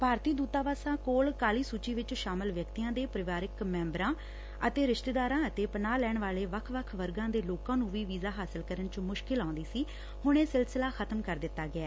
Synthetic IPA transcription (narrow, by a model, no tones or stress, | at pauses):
paːɾt̪iːd̪uːt̪aːʋaːsãːkoːlkaːliːsuːt͡ʃiːʋɪt͡ʃʃaːməlʋjəkt̪iːãːd̪eːpɾɪʋaːɾɪkmɛ̃ːmbɾãː | ət̪eːɾɪʃt̪eːd̪aːɾãːət̪eːpənaːlɛːɳʋaːleːʋəkʰʋəkʰʋəɾɡãːd̪eːloːkãːnũːʋiːʋiːzaːɦaːsɪlkəɾənt͡ʃmʊʃkɪlãːnd̪iːsiː | hʊɳ̃eːsɪlslaːxʰət̪əmkəɾd̪ɪt̪ːaːɡɪɛː